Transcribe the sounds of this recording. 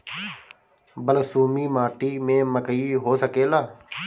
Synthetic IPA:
bəlsuːmiːmaːʈiːmẽːməkəiːɦoːsəkeːlaː

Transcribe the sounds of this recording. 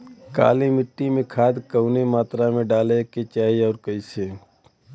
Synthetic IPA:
ka̰ːlimɪʈːimẽkʰaːd̪kəʊnemaːt̪ɾamẽɖaːleket͡ʃaːɦiɔːɾkəise

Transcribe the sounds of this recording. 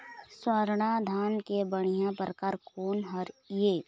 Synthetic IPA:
swəɾɽ̃ad̪ʱaːnkebəɽ̃ijãpɾəkaːɾkoːnɦəɾjeː

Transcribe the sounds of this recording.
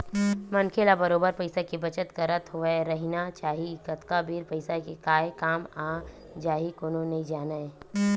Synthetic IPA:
mɐnkʰeːlabɐɾoːbəɾpɐɪsakibɐt͡ʃət̪kɐɾət̪ɦʊʋeɾɐɦinat͡ʃaːɦiɡɐt̪kabiːɾpɐɪsakekaːjkaːmaː | d͡ʒaːɦikoːnonɐɦĩd͡ʒaːnae

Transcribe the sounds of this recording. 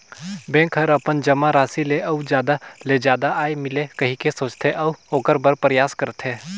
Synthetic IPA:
bɛ̃ːkɦɐɾɐpənd͡ʒɐmaɾaːsileʔɐud͡ʒjaːd̪aled͡ʒaːd̪aʔaːemɪlekɐɦĩkesoːt͡ʃt̪ʰeʔɐʋoːkəɾbəɾpəɾjaːskəɾt̪ʰɦẽː

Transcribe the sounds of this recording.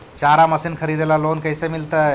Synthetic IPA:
t͡ʃaɾaməsinkʰəɾid̪elaloːnkəɪsemilt̪ə

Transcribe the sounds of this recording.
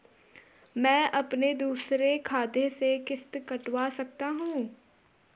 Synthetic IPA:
mɛ̃ːʔɐpned̪uːsɾekʰaːd̪esekɪst̪kɐʈwasɐk̚t̪aɦũː

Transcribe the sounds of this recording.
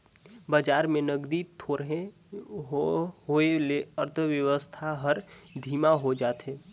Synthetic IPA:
bad͡ʒaːɾmẽnəɡd̪it̪ʰoːɾɦe | ɦɦoeleəɾt̪ʰəʋjəʋəst̪ʰaɦəɾd̪ʱiːmaɦod͡ʒaːt̪ɦeː

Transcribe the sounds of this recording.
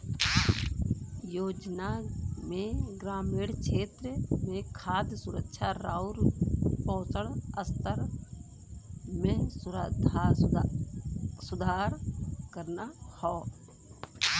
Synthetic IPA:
joːd͡ʒnamẽɡɾaːmeːɽt͡ʃʰeːt̪ɾəmẽkʰaːd̪sʊɾəkʃʰaɾaːʊɾpɔ̃ːt͡səɽəst̪əɾ | mẽsʊɾd̪ʱ | sʊd̪ʱaːɾkəɾnahɔː

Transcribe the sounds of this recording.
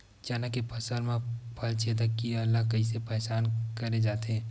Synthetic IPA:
t͡ʃaːnakepʰɐsəɾmẽpʰɐlt͡ʃeːd̪akkːiaɐlːakɐisepɛɦsaːnkɐɾed͡ʒaːt̪eɛː

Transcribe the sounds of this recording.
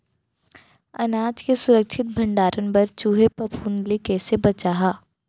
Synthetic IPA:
ɐnaːd͡ʒkesʊɾəkʃʰɪt̪̚bʱɐ̃ɳɖaːɾʔənpɐɾt͡ʃuːɦepɐpʰuːnlikɛːsebɐt͡ʃaːɦaː

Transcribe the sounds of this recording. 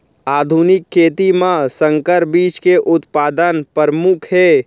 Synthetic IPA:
aːd̪ʱunɪkʰːeːt̪imãsə̃ŋkəɾbiːt͡ʃkeʔʊt̪paːd̪ənpəɾəmʊkʰɦɛː

